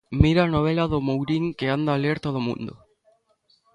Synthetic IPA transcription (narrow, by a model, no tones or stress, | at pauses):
miɾaːnoβ̞elaðʊmowɾiŋkeand̪aleɾt̪oð̞omṵ̃nd̪ʊ̰